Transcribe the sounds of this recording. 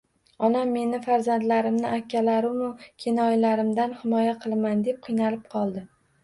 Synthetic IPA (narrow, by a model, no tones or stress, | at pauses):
ɒnamːe̞nɪfaɾzand̪laɾɪmnɪʔakʲːalaɾɪmʊkʲʰenɒjlaɾɪmd̪anhɪmɒjaqʰɨlˠmand̪e̞p̚qʰɨjnalɪp̚qʰɒlˠd̪ɪ